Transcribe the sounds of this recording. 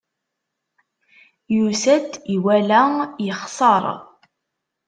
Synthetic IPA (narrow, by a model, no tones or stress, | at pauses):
jusæd̪iwælæjəχsˤɑɾ̰ˤ